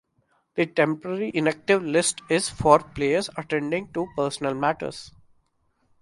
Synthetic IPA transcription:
d̪̥iʈɛ̃mpəɾəɾiʔɪ̃næk̚ʈɪʋlɪsʈɪz̥fɔːɾpleːəɾzəʈẽɳɖɪ̃ŋɡ̚ʈupəːɾsənəlmæʈə̰ɾz̥

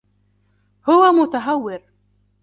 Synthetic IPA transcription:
hʊwamʊt̪aɦawːɪɾ

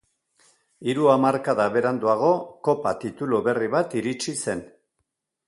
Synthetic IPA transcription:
iɾuamaɾkaðaβe̞ɾand̪uaɣ̞o̞ko̞pat̪it̪uluβe̞riβat̪iɾit͡ʃise̞n

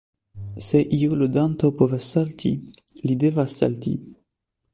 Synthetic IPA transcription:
seʔiulod̪ant̪opovasːalt̪ʰḭ | lid̪evasːa̰lt̪ḭ

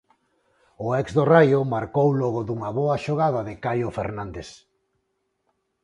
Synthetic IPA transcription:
ʊɛkzðorajʊmaɾkowlɔɣʊðuŋɐβɔɐʃoɣaðɐðɪkajofeɾnand̪es

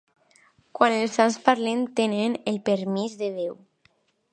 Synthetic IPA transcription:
kwanelˠsanspaɾlent̪enenelpeɾmizðeðew

